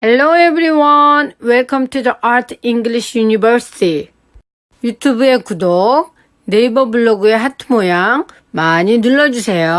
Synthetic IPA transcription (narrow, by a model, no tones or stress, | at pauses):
helːoebɾiwʌnweɭkʰʌmtʰudiʔaɾtʰiŋɡliɕʰjuɲibʌɾsi̥tʰi | jutʰubue̞kudo | ne̞ibʌbuɭːoɡueɦatʰɯmojaŋ | maɲinɯɭːʌd͡ʑusʰe̞jo